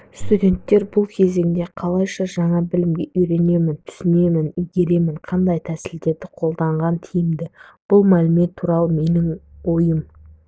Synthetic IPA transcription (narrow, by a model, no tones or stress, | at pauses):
st̪udʲe̞nt̪ːe̞ɾbʊlˠkʲʰe̞ze̞ŋd̪e̞qʰɑlˠɑjʃɑʒɑɴɑbɪlɪmɡʲe̞ʔʏjɾe̞ne̞mɪnt̪ʰʏ̥sɪne̞mɪnʏjɡʲe̞ɾe̞mɪɴqʰɑnd̪ɑjt̪ʰæsɪld̪e̞ɾd̪ɪqʰo̞lˠd̪ɑɴʁɑnt̪ʰijɪmd̪ɪb̥ʊlˠmælɪme̞t̪ʰːuɾɑlˠəme̞nɪŋwo̞jəm